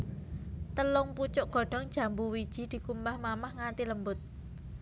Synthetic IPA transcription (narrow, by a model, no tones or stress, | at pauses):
t̪əlʊŋput͡ʃʊʔɡ̥ɔ̤ɖ̥ɔ̤ŋ̥ʒ̥a̤mbuwid̥ʒ̥i̤d̪̥i̤kumbahmamahŋat̪iləmbʊt̪̚